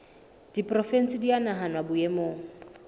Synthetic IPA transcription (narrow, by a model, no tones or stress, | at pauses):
d̥ipʼrɔfɛn̩sɪdianaɦanwabʊjɛmoːŋ̩